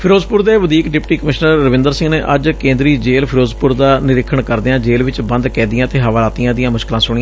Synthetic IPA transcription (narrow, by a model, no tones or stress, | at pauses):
pʰɪɾoːzpʊɾd̪eːʋəd̪iːkɖɪpʈiːkəmɪʃnəɾːəʋɪ̃nd̪əɾsɪ̃ŋɡneːʔəd͡ʒkẽːnd̪ɾiːd͡ʒeːlpʰɪɾoːzpʊɾd̪aːnɪɾɪkʰːəɳkəɾd̪eːãːd͡ʒeːlʋɪt͡ʃbə̃nd̪kɛ̃ːnd̪ijãːət̪eːɦəʋːlaːt̪ijãːd̪ɪijãːmʊʃkɪlãːsʊɽiːãː